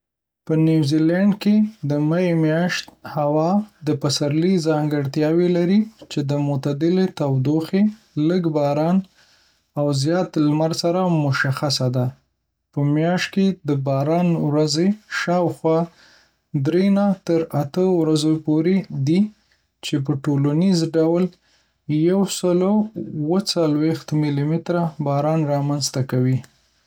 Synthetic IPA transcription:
pənjuwzilaɳɖked̪əmajemjɑʃt̪hawɑd̪əpasaɾlizɑŋɡəɽt̪jɑwelaɾit͡ʃed̪əmʊt̪ad̪ɪlet̪awd̪oxe | ləɡbɑɾɑn | awzjɑt̪lmaɾsaɾamʊʃaxasad̪a | pəmjɑʃt̪̚ked̪əbɑɾɑnwɾazeʃɑwxwɑ | d̪ɾenat̪əɾat̪əwɾazopoɾed̪i | t͡ʃep̬əʈolanizɖawl | jawsəlowət͡salwext̪milimɪt̪ɾabɑɾɑnɾɑmanzt̪akawi

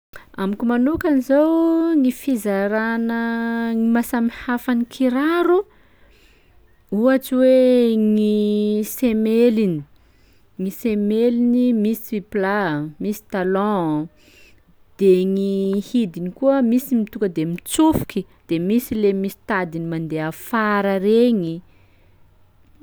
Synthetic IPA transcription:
amikʲimanukanizawŋifizaɾanəŋimasamihafanikʰiɾaɾu | uaʈ͡ʂiweŋisemelini | ŋisemelinimisiiplamisi̥t̪alɔ̃ | d̪̥eŋihid̪inikuəmisimit̪uŋkəd̪emit͡sufu̥ki | d̪̥emisilemisi̥t̪ad̪inimand̪eafaɾəɾeɲi

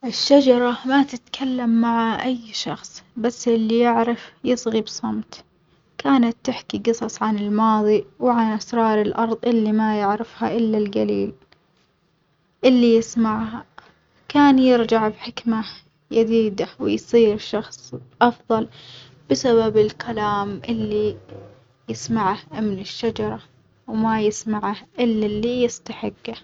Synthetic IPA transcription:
ʔɪʃːad͡ʒɑɾˤɑmat̪ɪt̪kʰalːamːaʕaʔajʃɑxsˤbasːʔɪlːijɪʕɾɪfjɨsˤɣibsˤɑmt̪ | kaːnat̪ːɪħkiɡɨsˤɑsˤʕanɪlmɑːðˤiwɪʕanʔasɾˤɑːɾˤɪlʔɑɾˤðˤʔɪlːimajɪʕɾɪfhaʔɪlːalɡaliːl | ʔɪlːijɪsmaʕha | kaːnjɪɾd͡ʒaʕbħɪkma | jad̪iːd̪awɪjsˤiːɾʃɑxsˤʔɑfðˤɑl | b̥ɪsababɪlkʰalaːmʔɪlːi | jɪsmaʕahmɪnɪʃːad͡ʒɑɾˤɑ | wmajɪsmaʕahʔɪlːalːijɪst̪aħɪɡːa

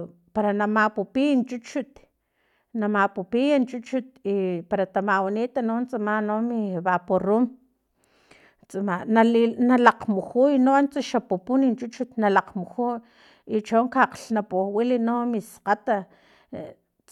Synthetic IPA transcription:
paɾanamapupint͡ʃut͡ʃut̪ | namapupijant͡ʃut͡ʃut̪̚ipaɾat̪amawanit̪anont͡samanomiβaporum | t͡samanalinalaqmuxujnont͡saʃapupunint͡ʃut͡ʃut̪nalaqmuxu | it͡ʃoŋkaqɬnapuwilinomisqat̪a

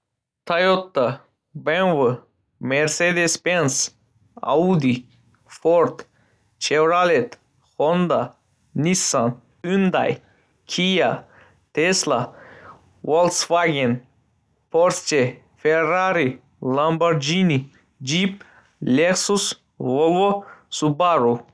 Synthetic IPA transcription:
t̪ʰajot̪ːa | benvɨ | meɾsed̪espens | a̰ud̪i | foɾt̪ | t͡ʃʰewɾalet̪ | hond̪a | nisːan | ynd̪a̰j | kʰija | t̪esla | wolsfaɡen | poɾst͡ʃe | feraɾi | lambaɾd͡ʒini | d͡ʒip̚ | lʲeksus | volosubaɾu

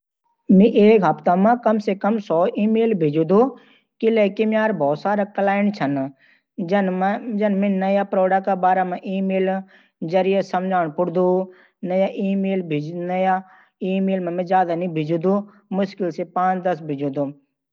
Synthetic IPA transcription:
miʔeːkɦɐpt̪amãkɐmsekɐmsɔːʔiːmeːlbʱid͡ʒud̪u | kɪlekimjaːɾbʱɔːsaːɾakɐlaːɪɳt͡ʃʰɐn | d͡ʒɐnmĩnnɐjapɾoːɖakabaːɾamãʔiːmeːl | d͡ʒɐɾijesɐmd͡ʒʱaːɳ̃pʊɽd̪u | nɐjaʔiːmeːlbʱnɐja | iːmeːlmãmĩzaːd̪anibʱɪd͡ʒud̪u | mʊʃkɪlsepãːt͡ʃd̪ɐs̬bʱɪd͡ʒud̪u

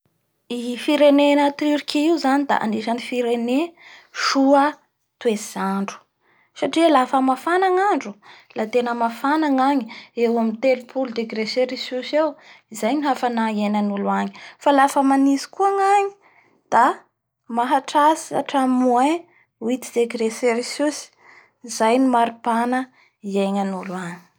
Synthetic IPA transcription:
ifiɾenenət̪iɾikʲiiwzanid̪a̰ʔa̰niʃanifiɾeneʃuə | t̪wezzaɳɖ͡ʐu̥ | saʈ͡ʂilafəmafanaŋaɳɖ͡ʐulat̪enəmafanaŋaɲiewamint̪elupʰuld̪eɡreseɾisusewizajniɦafanaenanuluaɲi̥falafəmanizi̥kuaŋaɲi̥ | d̪̥a | maɦaʈ͡ʂasia̰ʈ͡ʂamue | wit̪id̪eɡɾeseɾisusi̥ | izajnimaɾipanə | ieɲanulaŋi̥

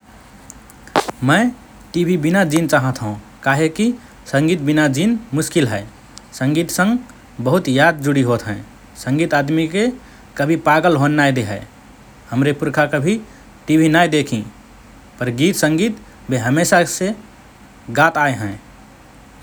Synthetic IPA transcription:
mə̃ɪ | ʈibʱibinad͡ʒint͡ʃaɦə̃t̪ɦũ | kaɦeki | sə̃ŋɡit̪̚binad͡ʒinmuskilɦɛ | səŋɡit̪sə̃ŋɡ | bəɦut̪jad̪̚d͡ʒuɽiɦot̪ɦə̃ | səŋɡit̪ad̪mike | kəbʱipaɡəlɦonːajd̪eɦɛɪ | həmɾepuɾkʰakəbʱi | ʈibʱinajd̪ekʰĩ | pəɾɡit̪sə̃ŋɡit̪ | beɦəmesase | ɡat̪ajɦə̃

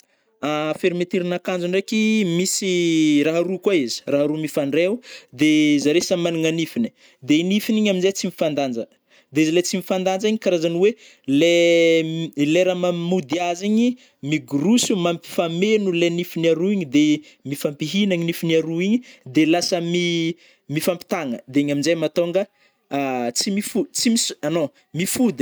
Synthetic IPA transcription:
afeɾimet̪iɾinakand͡ʒuɳɖ͡ʐekimisiɾaɦaɾukwaizi̥raɦaɾumifaɳɖ͡ʐeud̪ezaɾesamaniŋanifini̥ | d̪einifiniɲaminzet͡simifand̪and͡ʒə | d̪eizilet͡simifand̪and͡ʒiɲikaɾazaniwe | le | leɾamammud̪iaziɲi | miɡuɾusumampi̥famenulenifiniaɾuiɲid̪e | mifampiɦinaɲinifiniaɾuiɲid̪elasəmi | mifampi̥t̪aŋəd̪eiɲaminzejmat̪oŋɡə | t͡simifut͡simisano | mifud̪i̥

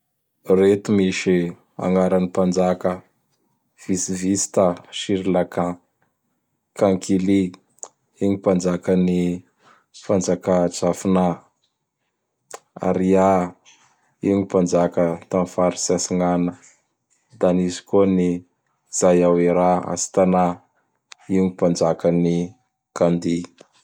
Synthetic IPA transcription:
ret̪umiʃi | a̰ŋaɾanipand͡ʒakə | v̥isivisi̥t̪aʃiɾilakã | kaŋkʰili | iɲipand͡ʒakəni | pand͡ʒakat͡safina | a̰ɾia | iɲipand͡ʒakət̪amfaɾisasiŋanə | d̪anizi̥koni | z̥ajawiɾaa̰si̥t̪ana | iɲipand͡ʒakəni | kand̪i

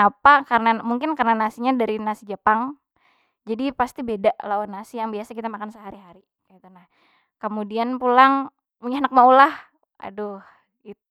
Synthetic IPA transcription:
napakarnamuŋkɪnkarənanasiɲadaɾinasid͡ʒəpaŋ | d͡ʒadipast̪ibedaʔlawanːasijaŋbiasakit̪amakansəɦaɾiɦaɾi | kait̪unah | kəmudianpulaŋ | uɲanak̚maulah | a̰dʊh | it̪̚u

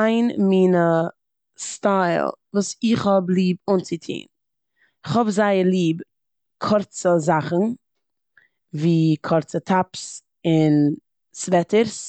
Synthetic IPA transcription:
aɪnmiːnə | staɪlˠvuːsɪχhɔblˠiːb̚ʊnt͡sɪtʰḭːn | ɪχhɔbzaɪəɾlˠiːb | kʰɔɾt͡səzaχn̩ | viːkʰɔɾt͡sətʰaps | ɪn | svɛtəɾs

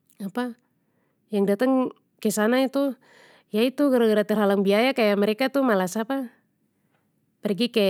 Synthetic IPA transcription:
apa | jaŋdat̪aŋ | kɛsanait̪u | jait̪uɡəɾaɡəɾat̪ɛrɦalaŋbiajakajamɛɾɛkat̪umalasapa | pɛrɡikɛ

